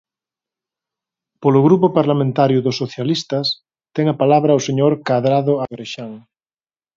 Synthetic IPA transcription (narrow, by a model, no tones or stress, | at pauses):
poloɣɾupopaɾlamẽnt̪aɾjʊðʊsːoθjalist̪ɐs | t̪ɛŋapalaβɾaoseɲoɾkaðɾaðoaɣɾeʃaŋ